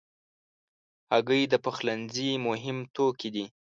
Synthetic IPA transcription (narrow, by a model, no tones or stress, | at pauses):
aɡəjd̪əpəxlanzimʊɦɪmt̪okid̪i